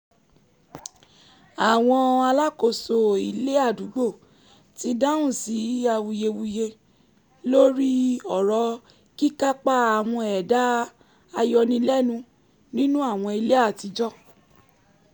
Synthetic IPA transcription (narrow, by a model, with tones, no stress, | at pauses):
a˨w̃ɔ̃˧a˧la˦ko˦˨so˨i˨le˦a˦˨du˨˦ɡ͡bo˦˨ | ti˧da˦ũ˦˨si˨˦a˧wu˧je˧wu˧je˧ | lo˦ɾi˦ɔ˨ɾɔ˨˧ | ki˦ka˦k͡pa˦a˨w̃ɔ̃˧ɛ˨da˨˦ | a˧jɔ˧nĩ˧˦lɛ˦˨nũ˧ | nĩ˦nũ˦a˦˨w̃ɔ̃˧i˧le˦a˦˨ti˧d͡ʒɔ˦